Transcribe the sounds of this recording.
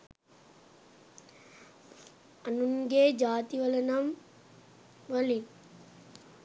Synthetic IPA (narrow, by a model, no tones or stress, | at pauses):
ɐnuŋɡeːd͡ʒaːt̪iʋɐlɐnɐm | ʋɐli